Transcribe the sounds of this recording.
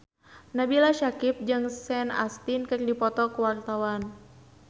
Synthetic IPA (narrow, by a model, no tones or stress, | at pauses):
nabilaʃakip̚d͡ʒɨŋsɛna̰st̪inkɨrdipɔt̪ɔkuwart̪awan